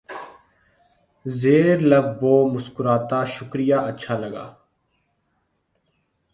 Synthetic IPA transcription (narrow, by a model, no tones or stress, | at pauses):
zeːɾləbʋoːmʊskʊɾaːt̪aːʃʊkɾɪjaːʔətːʃʰaːləɡa̰ː